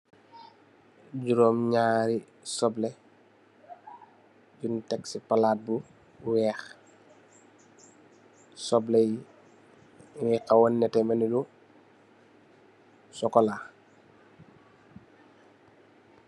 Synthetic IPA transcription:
ɟuɾɔːmɲaːɾi | sɔblɛ | ɟuntɛksipalaːt̚bu | wɛːx | sɔblɛji | ŋikawɔnːɛtɛmɐnilu | sɔkɔla

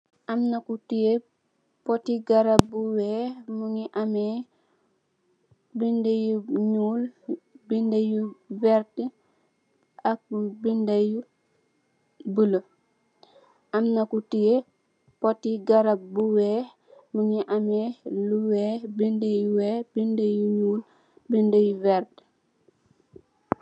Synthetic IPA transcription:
ʔɐmnɐkutije | pɔtiɡaɾabuwɛːmuŋiʔamɛ | bindejuɲuːlbindejuvɛɾtə | ʔak̚bindaju | bələ | ʔɐmnɐkutije | pɔtːiɡaɾabuwɛːh | muŋiʔamɛːluwɛːhbindejuwɛːbindejuɲuːl | bindəjuvɛɾt

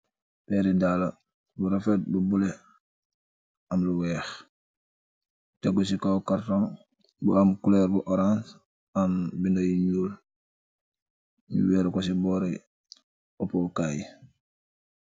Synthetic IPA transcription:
pɛɾidaːla | buɾafet̚bubule | amluwɛːx | teɡusikawkaɾtoŋ | buamkulɛɾbuʔoɾãns | ambindajiɲuːl | ɲṵwɛɾkos̬ibɔːɾi | opokaːj

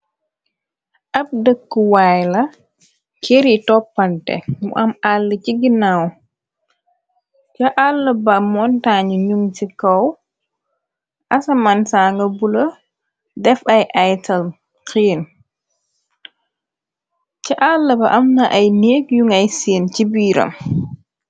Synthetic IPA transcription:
ʔɐp̚dəkːəwajlɐ | keɾitɔpːantɛ̰mṵʔɐmalːəciɡinaw | t͡ʃɐʔalːɐbɐmɔntaːɲiɲuŋt͡ʃikɐw | ʔasɐmansaːŋɡɐbulɐ | dɛfɐjʔajtɐl | keːn | cɐʔalːɐbɐʔɐmnɐʔajneːkjuŋɐjseːncibiːɾɐ̰m

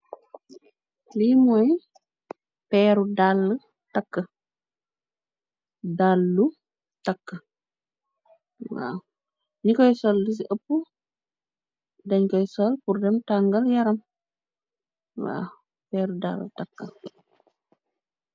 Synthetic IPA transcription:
liːmɔj | pɛːɾudalːə | takːə | dalːu | takːə | wa̰ | nikɔjsɔldis̬iʔəpːu | dɐɲkɔjsɔlpuɾdɛmtaŋɡɐljɐɾɐm | wa̰ | pɛːɾuda̰l̰takːə

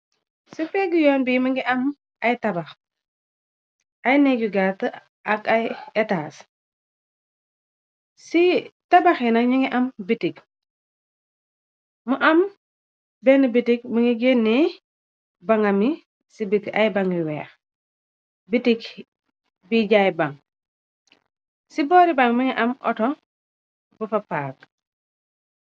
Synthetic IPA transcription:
sipɛɡjɔːnbiːməŋɡiʔɐm | ɐjtɐbax | ɐjnɛɡuɡat | ɐkɐjɛtaːs | sitabaxinɐɲiŋɡiʔɐmbitik̚ | muʔɐm | benibitik̚miŋiɡenːi | baŋami | sibitiajbaŋiwḛːx | bitik | biɟajbaŋ | siboɾibaŋmiŋiʔamʔɔ̰to | bufapaːk

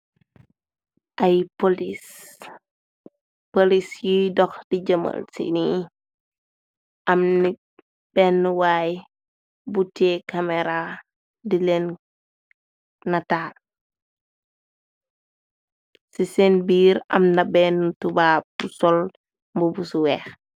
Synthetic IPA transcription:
ʔajpolis | polisjidɔxdiɟɐmə̰lsḭni | ʔɐmni | b̥ɛːnːuwaːj | butekameɾa | dilen | nataːl | sisenbiːɾɐ̰mnabɛnːutubaːbusɔl | mbubusuwɛːx

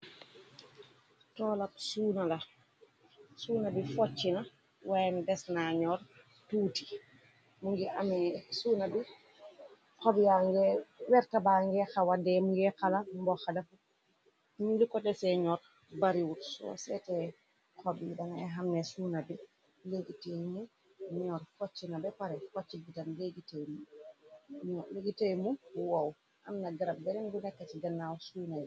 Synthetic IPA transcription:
tɔːlapsuːnalɐ | suːnabifɔt͡ʃːina | wajndɛsnaɲɔɾ | tuːti̥ | muŋɡiʔa̰mɛsuːnabi | kɔbijaŋɡɛwɛɾtabaŋɡɛxawadɛmuŋɡɛkalambɔxadafu | milikɔtɛsɛɲɔɾ | baɾiwutsɔ̰sɛtɛ | kʰɔbidaŋajɦamnɛsunabi | leɡitejmu | ɲɔɾkɔt͡ʃːinabɛpaɾɛkɔt͡ʃːibitamleɡitejmu | ɲɔleɡitejmuwaw | ʔa̰mnaɡaɾab̚bɛnɛnbunɛkːat͡ʃiɡanːawsujnaji

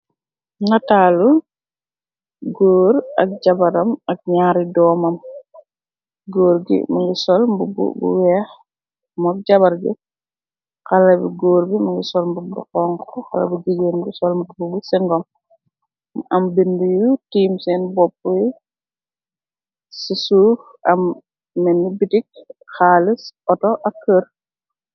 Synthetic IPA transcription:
ŋataːlu | ɡoːɾɐ̰k̚ɟabɐɾɐmɐk̚ɲaːɾidɔːmɐm | ɡoːɾɡḭmɐŋɡisɔlmbubṵbṵwɛːx | mɐk̚ɟaβɐɾɡṵ | kɐlɐbiɡoːɾbimɐŋɡisɔlmbuk̚bṵqɔŋkɔxɐlɐ̰buɡiɟenbusɔlmbububusɛŋɡɔm | ɐmbindujutiːmsɛnbɔpːuj | sisuf | ʔɐm | mɛnːibitik̚xaːlisɔtɔʔɐkːəɾ

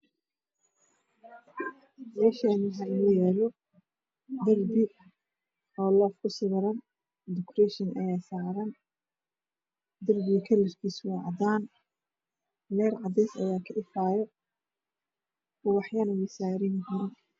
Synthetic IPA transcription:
mɛːʃanɪɦaɪlɔjɛːlɔ | d̪ɐrbɪ | ɔːlɔːfkʰʊsɪɣɐɾɐn | d̪ɪkrɛʃɪnʔɐ̰jaːsaːɾɐn | d̪ɐrbɪɣɐkʰɐlɪfkʰiːswɑʕɑd̪aːn | lɛːrʕɑd̪ɛjsɐ̰jaːkʰɐɖɪfaːjɔ | ɔwɑħjanɐwɪsaːɾɪnkʰɐɾɐn

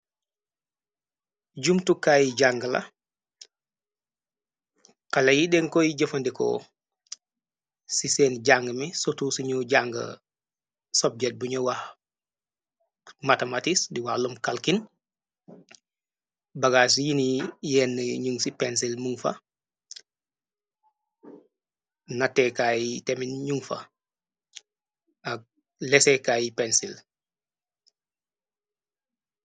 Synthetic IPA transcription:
ɟumtukaːjiɟaŋɡɐlɐ̰ | kalɐjiɗɛŋkɔjiɟɐfɐndikɔ̰ | sisɛːnɟaŋɡəmisotusiɲoɟaŋɡɐ̰ | sɔb̚ɟɛt̚buɲowah | matematisdiwalumkalkin | bɐɡaːs̬ijinijɛːnːɐɲuŋsipens̬ilmuŋfɐ̰ | natekajiteminɲuŋfɐ̰ | ak̚ | lɛsekajipensil

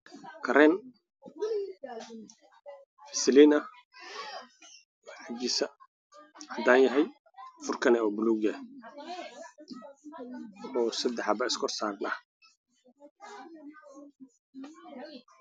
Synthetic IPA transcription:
kʰɐɾɛn | sɪlinɐ | wʕɑd͡ʒɪsɐ | ʕɑd̪aːnjɐɦɛj | fʊrkʰɐnɛɔːbʊluːɡɛ | ɔːsɐd̪ɛħɑbɐɪskʰɔrsaːɾnɐ̰h

